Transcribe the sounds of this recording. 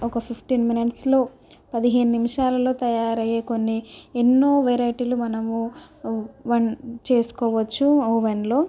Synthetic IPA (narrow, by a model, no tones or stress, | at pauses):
ɔkɐpʰipʰʈiːnminiʈslo̞ː | pɐd̪iɦe̞ːnunimiʂaːlɐlo̞ːt̪ɐjaːɾɐjeːko̞nːienːo̞ːʋeɾɐjʈiːlumɐnɐmu | ʋɐnt͡ʃe̞ːsu̥kɔːʋɐt͡ʃːuoːʋɐnlo̞ː